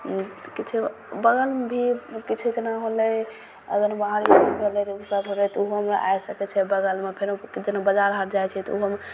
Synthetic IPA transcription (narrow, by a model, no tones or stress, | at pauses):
kit͡ʃʰɛ | bəɡəlebʱikit͡ʃʰɛd͡ʒənaɦolɛ | ə̰ɡəɾbaɦaɾjabibʱelɛɾesəbɦolɛt̪ɔuɦɦəmʔa̰jsəkɛt͡ʃʰɛbəɡəlmepʰeɾed͡ʒənabəd͡ʒaɾɦəɾd͡ʒajt͡ʃʰɛt̪ɔuɦəm